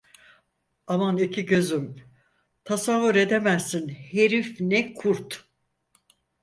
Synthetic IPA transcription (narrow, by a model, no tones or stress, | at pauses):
amanicʰiɟøzym | t̪ʰasavːuɾe̞d̪emæzːinheɾifnɛkʰuɾt̪